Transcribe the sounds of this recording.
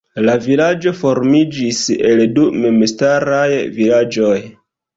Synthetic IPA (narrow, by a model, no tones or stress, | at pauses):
lavilad͡ʒo̞fo̞ɾmid͡ʒise̞ldumemstaɾajvilad͡ʒo̞j